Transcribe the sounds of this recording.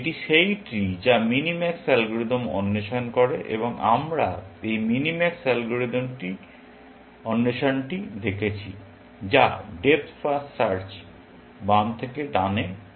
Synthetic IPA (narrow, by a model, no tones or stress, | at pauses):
eʈiʃejʈid͡ʑaminimɛksɛlɡuɾid̪omɔ̰nːeʃonkoɾeʔḛboŋa̰mɾaejminimɛksɛlɡuɾid̪omʈi | ɔnːeʃonʈid̪ekʰet͡ɕʰi | d͡ʑa̰ɖep̪̚fasːaɾt͡ɕ | bamt̪ʰekeɖane